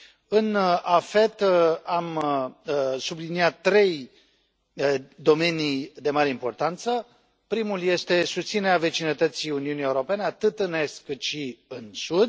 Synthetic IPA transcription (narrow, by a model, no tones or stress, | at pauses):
ɨnafe̞t̪am | subliniat̪ːɾe̞j | d̪o̞me̞nid̪e̞maɾe̞impo̞rt̪ant̪sə | pɾimulje̞st̪e̞sust̪sineɾeave̞t͡ʃinət̪ət̪siuniunije̞uɾo̞pe̞ne̞at̪ɨt̪ɨne̞st̪kɨt̪ʃiɨnsud̪